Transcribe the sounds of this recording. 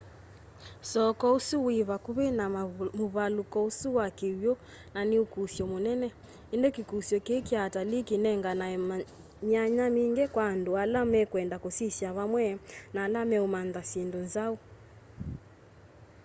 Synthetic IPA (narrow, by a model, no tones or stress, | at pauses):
sɔkɔosuweβakuβenamoβalukɔusuwakewjɔ | naneokusjɔmonɛnɛ | endokekusjɔkeːkeatalikenɛŋɡanaɛ | ɲaɲamiŋɡɛkwaːndoalamɛkwɛndakosisjaβamwɛnaːlamɛomanðasendonzao